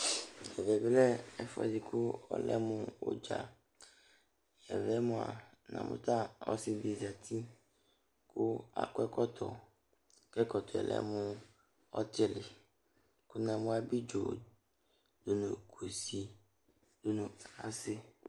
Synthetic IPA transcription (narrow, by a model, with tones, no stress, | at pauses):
ɛ˨vɛ˨blɛ˦ɛ˨fɔ˦zi˨ku˦ɔ̰˦lɛ̰˦mũ˦wo̰˦d͡ʒa̰˨ | ɛ˨vɛ˦mũ˨a̰˨nã̰˨mṵ̃˦t̪ã˦ɔ̰˦si˦di˨d͡ʒa˨t̪ʰi˦ | ku˦a̰˨kɛ˦kɔ˦t̪ʰɔ̰˨ | kɛ˦kɔ˨t̪ʰɔ˨ɛ̰˨lʔɛ̰˦mũ˦ | ɔ˦t̪e˦le˨ | ku˦nã˨mũ˦a˦bi˦d͡ʒo˨ | do˨nũ˨ku˨si˨ | do˨nũ˨a˦sɪ˦